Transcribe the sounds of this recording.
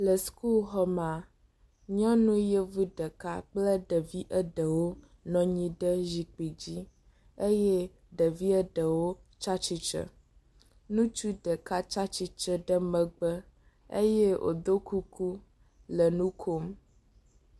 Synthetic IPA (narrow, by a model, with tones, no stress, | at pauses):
lə˨sku˦lxɔ˦mã˨ | ɲɔ̃˦nũ˦jɛ˦vu˦ɖə˨ka˦k͡plə˦ɖə˨vi˦ʔə˦ɖə˨wo˦ | nɔ̃˨˦ɲĩ˦ɖə˦zi˨k͡pi˨d͡ʑi˦ | e˦jɛ˦ | ɖə˨vi˦ə˦ɖə˨wo˦t͡ʃa˦t͡ʃi˦t͡ʃə̰˨ | nũ˦t͡ʃu˦ɖə˨ka˦t͡ʃa˦t͡ʃi˦t͡ʃə˦ɖə˦mə̃˨ɡ͡bə˦ | ḛ˦jɛ˦wʔo̰˨d̪o˦ku˦ku˦ | lə˨nũ˦kʰo˦m